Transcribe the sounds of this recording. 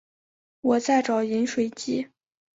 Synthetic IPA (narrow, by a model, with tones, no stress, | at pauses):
wɔ˨˩t͡sa˥˩ɪʈ͡ʂɑ˨˩ʊi˧˥nʂwe˨˩ɪt͡ɕi˥˩